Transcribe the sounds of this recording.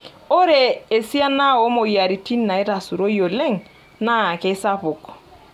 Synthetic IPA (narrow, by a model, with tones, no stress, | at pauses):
o˦ɾe˨e˨si˦a˦na˦˨wo˦mo˨ja˨ɾi˨ti˦nːa˨e˦ɾa˨su˨ɾo˦jo˨le˦ŋ | na˦˨ke˦sa˦pʊ˨k